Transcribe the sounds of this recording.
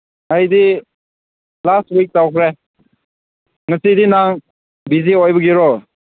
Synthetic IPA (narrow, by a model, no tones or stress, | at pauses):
ajdi | lastwik̚tawkʰɾe | ŋɐsidinaŋ | biziojbɐɡiɾɔ